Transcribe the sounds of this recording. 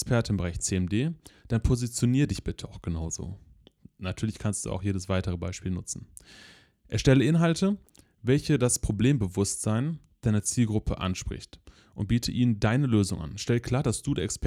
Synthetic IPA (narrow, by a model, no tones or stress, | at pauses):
spʰɛɐtn̩bəʁaɪçt͡seːɛmdeːd̥anpʰozit͡sjoniːʁədɪçb̥ɪtʰəaʊxɡ̥ənaʊzo̰ː | natʰyːɐlɪçkʰanstd̥ṵːa̰ʊxjeːdəsv̥aɪtəʁəba̰ɪʃpiːlnʊ̰t͡sn̩ | ʔɛɐʃtɛləʔɪnɦaltʰə | vɛlçədaspʁ̥obleːmbəvʊstz̥aɪn | d̥aɪnɐt͡siːlɡʁʊpʰə̰ʔa̰nʃpʁ̥ɪ̰çt | ʔʊnt̚b̥iːtʰəʔiːnəndaɪnəløːzʊ̰ŋʔa̰nʃtɛl̚kʰl̥aːɐdasd̥uːdɛːɐɛksp